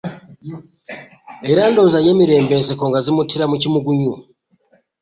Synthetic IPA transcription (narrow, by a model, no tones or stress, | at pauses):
eɾaːndoːzajeːmiɾeːmbenzekoːŋɡazimutʰiɾamucimuɡuɲu